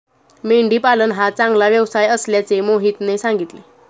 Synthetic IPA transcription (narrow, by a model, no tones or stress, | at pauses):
meɳɖiːpalənɦat͡sãŋɡlaʋjəʋsajəsljat͡semoɦit̪nesaŋɡit̪le